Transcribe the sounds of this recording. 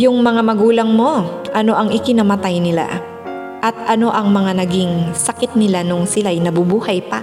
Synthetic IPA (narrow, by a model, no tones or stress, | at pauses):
jʊŋmɐŋamɐɡuːlɐŋmo̞ʔɐno̞ʔɐŋʔɪkɪnɐmɐt̪ajnɪla̰ | ʔɐt̪̚ʔɐno̞ʔɐŋmɐŋanɐɡɪŋsɐkɪt̪̚nɪlanʊŋsɪlajnɐbʊbuːhɐjpɐ